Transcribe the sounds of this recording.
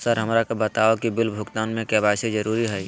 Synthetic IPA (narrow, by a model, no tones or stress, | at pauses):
səɾɦɐmɾakobɐt̪aːokibɪlbʱʊkt̪aːnmẽkɛbaːsid͡ʒəɾuːɾiɦɛi